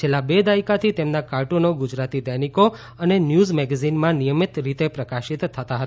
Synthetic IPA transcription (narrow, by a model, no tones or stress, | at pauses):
t͡ʃʰelːabed̪aikat̪ʰit̪emnakaɾʈonoɡud͡ʒɾat̪id̪əjniko | ənenjuzmɛɡɛzinmãnijəmit̪ɾit̪epɾəkaʃit̪ʰːət̪aɦət̪